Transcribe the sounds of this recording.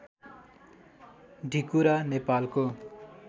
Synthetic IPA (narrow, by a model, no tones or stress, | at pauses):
ɖʱikuɾanepalko